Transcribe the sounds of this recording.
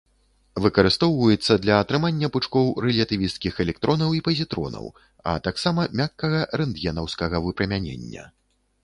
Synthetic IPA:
vɨkɐɾɨst̪ɔwvɐjɛt̪sːɐd̪lʲɐːt̪ɾɨmanʲːɐpɨt͡ʂkɔwɾɛlʲɐt̪ɨvʲist̪kʲixɛlʲɛk̚t̪ɾʔɔnɐwipɐzʲit̪ɾɔ̰nɐ̰w | ɐ̰t̪aksamɐmʲakːɐɣɐɾɛnd̪jɛnɐwskɐɣɐvɨpɾɐmʲanʲḛnʲːɐ̰

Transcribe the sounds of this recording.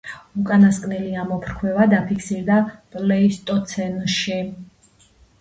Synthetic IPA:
ukʼanaskʼniliamɔpʰɾkʰwɛvad̪apʰikʰsiɾd̪apʼlɛist̪ʼɔt̪sʰɛnʃi

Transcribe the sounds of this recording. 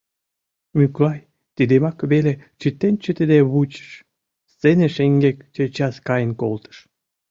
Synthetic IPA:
myklɑj | t̪id̪emɑkβelet͡ɕit̪ːent͡ɕət̪ed̪eβut͡ɕə̥ʃ | st͡seneʃeŋɡekt͡ɕet͡ɕɑskɑjənkolt̪ə̥ʃ

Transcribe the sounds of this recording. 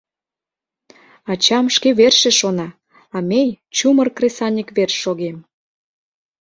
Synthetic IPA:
ɑt͡ɕɑmʃkeβerʃeʃonɑ | ɑmʲej | t͡ɕumərkresɑnʲikβerʃːoɣem

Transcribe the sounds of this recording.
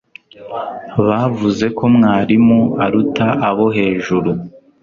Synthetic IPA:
βaːvuze̞ko̞mŋaːɾimuaɾutaʔaβo̞ɦe̞ːʒuɾu

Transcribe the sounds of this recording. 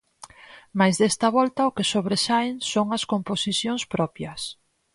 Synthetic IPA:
majzðɛst̪ɐβɔlt̪ɐʊkesoβɾesaeŋsoŋɐskomposiθjoŋspɾɔpjɐs

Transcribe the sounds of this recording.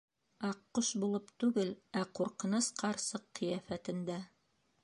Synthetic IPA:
ɑqːoʃbulˠɤpt̪ʉɡɘlæquɾqɤ̆nɤsqʰɑɾsɤqːɤ̆jæfæt̪ɘ̆nd̪æ

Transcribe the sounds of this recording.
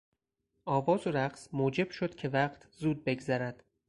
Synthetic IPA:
ɒːvɒːzoɾæɢsmuːd͡ʒe̞b̥ʃo̞d̪̥cʲʰe̞væqt̪ʰzuːd̪̚be̞ɡzæɾæd̪̥

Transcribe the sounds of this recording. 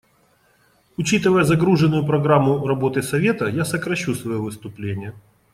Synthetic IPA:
ʊt͡ɕit̪ɨvəjəzɐɡɾuʐɨnːʊjʊpɾɐɡɾamːʊrɐbo̞t̪ɨsɐvʲe̞t̪əjasəkɾɐɕːusvɐjovɨst̪ʊplʲenʲɪjə

